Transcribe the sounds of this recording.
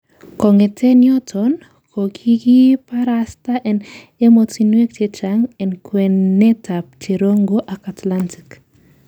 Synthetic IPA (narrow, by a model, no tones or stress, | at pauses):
kɔŋetʰenjɔtʰɔn | kʰokʰikipaɾastaʔɛn | emotinwek̚t͡ʃet͡ʃaŋɛnkwenːetap̚t͡ʃeɾoŋɡoʔakatlantik